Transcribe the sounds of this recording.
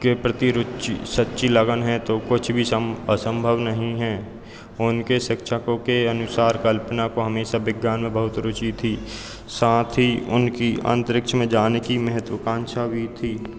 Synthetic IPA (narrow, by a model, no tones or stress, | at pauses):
kepɾət̪iɾʊt͡ʃisətːʃiləɡənɦɛt̪okʊt͡ʃʰbʱiəsə̃mbʱəʋnəɦĩɦɛː | ʊnkeʃɪkʃʰəkõkeənʊsaːɾkəlpənakoɦəmeːʃabɪɡjaːnmẽbəɦʊt̪ɾʊt͡ʃit̪ʰiː | saːt̪ʰɦiʊ̰nkiə̰̃nt̪əɾɪkʃʰəmẽd͡ʒaːnekimɛɦət̪wəkãːnʃabʱit̪ʰiː